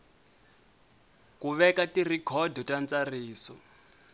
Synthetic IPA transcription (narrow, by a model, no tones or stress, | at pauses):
kuβɛkatʼirikʰɔdʱɔtʼant͡sariːsɔ